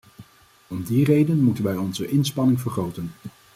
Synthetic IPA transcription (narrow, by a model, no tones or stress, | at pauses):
ɔmdirejdənmutənʋɛjɔnzəʔɪnspɑnɪŋvəɹχrowtən